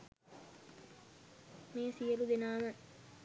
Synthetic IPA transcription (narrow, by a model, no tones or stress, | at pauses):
meːsijəlud̪enaːnə